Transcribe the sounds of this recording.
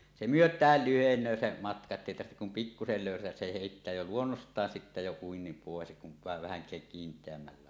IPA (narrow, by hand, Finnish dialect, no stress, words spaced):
se myøtˑæːl lyhenˑøː se mɑtkɑ etːæ eˑi tɑrhtek kum pikːusel løˑysætæs se heˑitːæː jo luonːostˑɑːn sitːæ jo uinːim poˑes kuʋ ʋɑeʋ ʋæhæŋkˑæːk kintˑeæmːælːæ